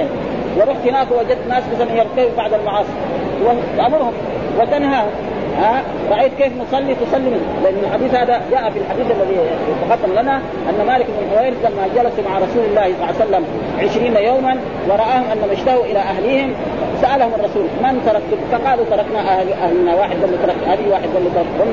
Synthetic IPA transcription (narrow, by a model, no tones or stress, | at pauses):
wɪɾˤuħt̪hinaːkuwad͡ʒad̪̚t̪naːsbasamɪnjːɑɾˤt̪ibbaʕd̪almɑʕɑːsˤiɾ | waʔamʊɾhum | wad̪anhaːhm | ha | ɾˤɑʔajːt̪keːfnʊsˤɑlːit̪ʊsˤɑlːimlɪʔanːalħad̪iːθhaːd̪ad͡ʒaːʔafilħad̪iːdʔalːaðit̪ɑɡɑd̪ˤːɑllana | ʔanːamaːlɪkmɪnħʊwaːjɾzamːad͡ʒalasumaʕaɾˤɑsuːlalːaːhsˤɑlːɑːasalːam | ʕɪʃɾiːnajoːman | wɑɾˤɑʔaːhumʔanːamaʃt̪ahuʔilaʔaɦliːhim | saʔalahumɑrˤːɑsuːlmant̪ɑɾˤɑkt̪ukaqaːlut̪ɑɾˤɑknaʔaʔahlnawaːħɪd̪̚ːalːit̪ɑɾˤɑkʔad̪iwaːħɪd̪ːalːit̪ɑɾɑkʔʊnː